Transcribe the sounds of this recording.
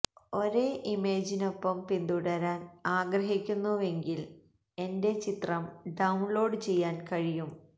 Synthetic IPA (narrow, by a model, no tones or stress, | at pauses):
o̞ɾe̞ːʔimeːd͡ʑino̞pːɐmpind̪uɽɐɾaːnaːɡɾɐɦikʲːunːuʋe̞ŋɡil | e̞nde̞t͡ɕit̪rɐmɖɐwunlo̞ːɖɨt͡ɕe̞jːaːnkɐɻijum